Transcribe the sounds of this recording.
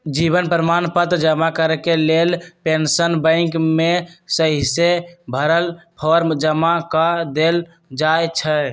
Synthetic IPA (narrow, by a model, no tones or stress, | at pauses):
d͡ʒibənpɾəmanpət̪ɾd͡ʒəmakəɾkelelpensənbə̃ɪ̃kmesəɦisebʱəɾəlpʰɔɾd͡ʒəmakad̪el | d͡ʒajt͡ʃʰə